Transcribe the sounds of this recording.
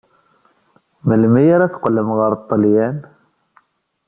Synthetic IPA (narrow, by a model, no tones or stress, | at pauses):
məlmijəɾæθqəlːəmʁəɾˤt̪ˤːəljæn